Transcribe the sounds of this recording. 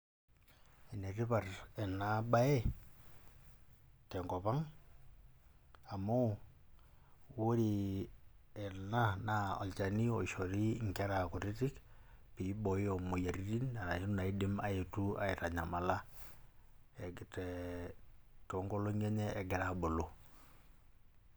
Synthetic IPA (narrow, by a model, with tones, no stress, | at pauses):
i˨ne˨ɾi˦pa˨rɛ˨na˨˦ba˦e˦ | tɛ˨ŋɡɔ˨pa˦ŋ | a˨mo˦ | wo˦ɾi˨ | ɛ˨na˦na˦ɔ̰˨lt͡ʃa˨ni˦ɔ˨ʃɔ˨ɾi˦ŋka˦ɾa˨kʊ˨ɾi˦ti˦k | pi˨˦bɔ˨ɪ˦ɔ˨mo˨ja˨ɾi˦ɾi˦na˨na˨i˦na˨i˦dɪ˦ma̰˨e˨tu˦a̰˨ɪ˨ta˨ɲa˨ma˨la˦ | ɛ˨tɛ˨ | tɔ˨˦ŋɡɔ˦lo˦ŋɛ˦ɲɛ˦ʔɛ˨ɡɛ˦ɾa˨bo˨lo˦